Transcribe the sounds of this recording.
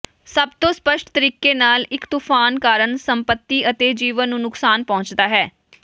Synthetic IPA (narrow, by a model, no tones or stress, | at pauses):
səbt̪õːspəʃʈʰt̪əɾiːkeːnaːlɪkt̪uːpʰaːnkaːɾəɳsəmpət̪ːiːət̪eːd͡ʒiːʋənːũːnʊksaːnpɔ̃ːɲt͡ʃd̪aːɦɛː